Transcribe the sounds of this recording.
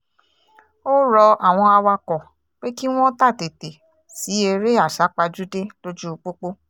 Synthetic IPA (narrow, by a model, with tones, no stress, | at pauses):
o˦ɾɔ˧a˨w̃ɔ̃˧a˧wa˧kɔ˨ | k͡pe˦ki˦w̃ɔ̃˦ta˦˨te˨te˨ | si˨˦e˧ɾe˦a˦˨ʃa˨˦k͡pa˧d͡ʒu˦de˦lo˦d͡ʒu˦˧k͡po˦k͡po˦